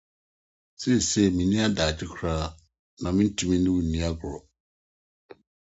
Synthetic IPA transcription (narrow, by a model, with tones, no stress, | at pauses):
se˦˨se˦˨mĩ˨nĩ˦a˦daː˨d͡ʑɪ˦kʰɾaː˦ | nã˨mɪ̃˦n̩˦tʰũ˨mĩ˦nʊ̃˦wu˦˨nĩ˦a˦ɡʊ˨ɾɔ˨